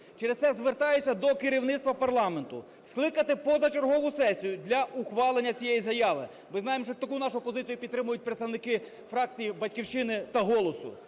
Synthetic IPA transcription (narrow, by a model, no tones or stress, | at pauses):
t͡ʃeɾessɛzʋert̪ɑjʊt͡sʲːɐd̪ɔkeɾʲiwnɪt̪st̪ʋɐpɐrlˠɑme̞nt̪ʊ̰ | sklˠɪkɐt̪ɪpɔzɐt͡ʃerɦɔʋʊsɛsʲijʊd̪ʲlʲɐʔuxʋɑlˠenʲːɐt͡sʲijɛjizɐjɑʋɪ̰ | mɪznɑjemɔʃt͡ʃɔt̪ɐkunɑʃʊpɔzɪt͡sʲjʊpʲit̪t̪ːɾɪmʊjʊt̚ʲpɾet̪st̪ɐwnɪkɪ | fɾɑk̚t͡sʲijibɐtʲkʲiwt͡ʃɪnɪt̪ɐɦɔlˠɔsʊ̰